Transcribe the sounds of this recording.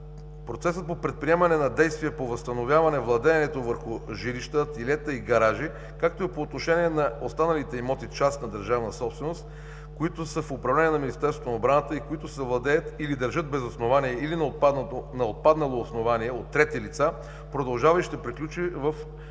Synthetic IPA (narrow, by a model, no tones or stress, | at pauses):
pɾot̪sɛsət̪̚popɾɛt̪̚pɾiɛmɐnɛnɐd̪ɛjst̪viɛpovɐst̪ɐnovʲjavɐnɛvlˠɐd̪ɛːnɛt̪ovəɾxʊʒiɾiʃt̪ət̪ilɛt̪əiɡɐɾaʒi | kak̚t̪oipoːt̪noʃɛnʲiɛnɐost̪anɐlit̪ɛimɔt̪it͡ʃast̪nɐd̪ɐɾʒavnəsɔpst̪vɛnost̪ | koit̪ʊsəfʊpɾɐvlɛniɛnɐminist̪ɛɾsvot̪onɐobɾanət̪əikoit̪ʊsɛvlˠɐd̪ɛjət̪ilid̪ɐɾʒɤt̪̚bɛzɐsnovanijɛilin | nɐot̪̚pad̪nɐlˠoːsnovaniɛot̪ːɾɛt̪ilit̪sa | pɾod̪ɐlˠʒavɐiʃid̪əpɾiklʲut͡ʃivɐf